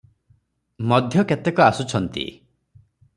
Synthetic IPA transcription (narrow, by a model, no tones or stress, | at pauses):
mɔd̪ʱjɔket̪ekɔasut͡ʃʰɔnt̪ḭ